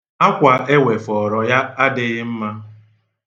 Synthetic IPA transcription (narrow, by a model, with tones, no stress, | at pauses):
a˦kʷa˨ʔe˦we˨fɔ˨ɾɔ˨ja˦a˦dɪ˦ɣɪ˦m̩˦ma˦